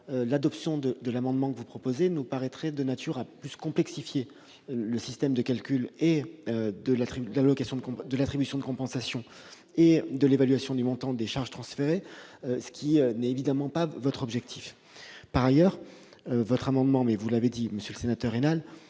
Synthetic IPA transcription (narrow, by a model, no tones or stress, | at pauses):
ølad̪ɔpsjɔ̃d̪əd̪əlamɑ̃d̪mɑ̃kəvupχɔpozenupaʁɛt̪χɛd̪ənat̪ʰyʁaplyskɔ̃plɛksifje | ləsist̪ɛmd̪əkalkʲyleød̪əlat̪χilalɔkasjɔ̃d̪əkd̪əlat̪χibysjɔ̃d̪əkɔ̃pɑ̃sasjɔ̃ | ed̪əlevalɥasjɔ̃d̪ymɔ̃t̪ɑ̃d̪eʃaʁʒ̥t̪χɑ̃sfeʁeøsə̥kʲiønɛtevid̪amɑ̃pavɔt̪χɔbʒɛk̚t̪ʰi̥f | paʁajœːʁ | øvɔt̪χamɑ̃d̪mɑ̃mɛvulaved̪iməsjøləsenat̪œʁenal